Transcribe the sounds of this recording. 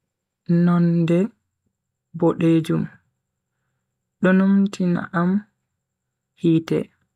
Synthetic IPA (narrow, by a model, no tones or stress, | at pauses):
nɔndɛ | bɔɗeːd͡ʒum | ɗɔnomtʰina̰ʔam | hiːtɛ̰